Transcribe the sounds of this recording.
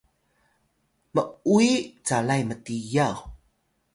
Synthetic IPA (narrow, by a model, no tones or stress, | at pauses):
məuit͡salajmətijaw